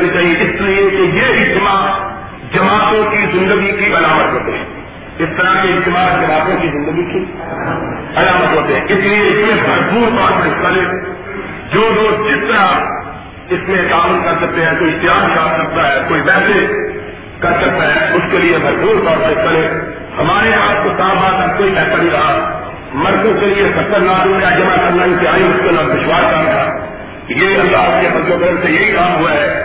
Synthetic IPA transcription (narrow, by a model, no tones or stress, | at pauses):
it͡ʃaːɦieɪsliekejeɪt̪ɪma | d͡ʒɐmaːt̪õkizɪ̃nd̪əɡikiʔɐlaːmət̪ɦoːt̪eɦɛ̰̃ː | ɪst̪ɐɾakeɪt̪ɪmaːd͡ʒɐmaːt̪õkizɪ̃nd̪əɡiki | ɐlaːmət̪ɦoːt̪eɦɛ̃ːɪslieɪsmẽbʱɐɾpuːɾt̪ɔːɾsɽɪkkaːlẽː | d͡ʒoːloːd͡ʒɪst̪əɾa | ɪsmẽt̪aːmənkɐɾsɐk̚t̪eɦɛ̃ːkoːit̪ɪɦaːɪsaːpsɐk̚t̪aɦɛːkoːiʋɛːse | kɐɾsɐk̚t̪aɦɛ̃ʊskeliemɐɾbuːɾt̪ɔːɾɽɪkkaːlẽː | hɐmaːɾeɦaːt̪̚kosãːmbaːt̪ɐkoːibɛːt̪aɽiɡaa | mɐɾɡ̪õkeliexɐt̪əɾnaːkoːad͡ʒɐmakɐɾnaɪ̃nt̪ɪɦaːimʊskɪlɔːd̪ɪʃwaːskaːt̪aː | jeɐlːaːɦʊskefɐzlokɐɾəɾsejeɦikaːmɦʊaɦɛː